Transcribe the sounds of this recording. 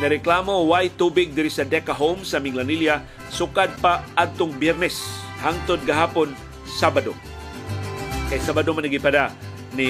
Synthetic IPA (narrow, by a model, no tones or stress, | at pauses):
nɐɾɛklaːmowajt̪uːbɪɡ̚d̪ɪɾɪsɐd̪ɛkaɦowmsɐmɪŋlanilja | sʊkad̪̚paʔad̪̚t̪oŋbjɛɾnɛs | haŋt̪od̪̚ɡɐɦaːpon | sabad̪o | ʔɛsabad̪omanɐɡipada | ni